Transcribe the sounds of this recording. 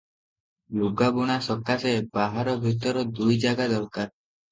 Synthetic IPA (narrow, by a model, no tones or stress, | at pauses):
luɡabuɽ̃asɔkːasebaɦaɾɔbʱit̪ɔɾɔd̪ujd͡ʒaɡad̪ɔɾkaɾ